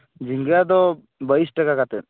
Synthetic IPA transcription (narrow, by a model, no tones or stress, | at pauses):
d͡ʒiŋɡad̪ɔ | bəisʈakakat̪ɛt̪̚